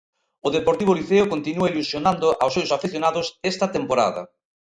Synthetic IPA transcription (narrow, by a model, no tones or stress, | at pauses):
ʊðepoɾt̪iβ̞oliθeʊkont̪inuɐilusjonãnd̪ʊʔawsːewsafiθjonaðʊsɛst̪ɐt̪empoɾa̰ðɐ̰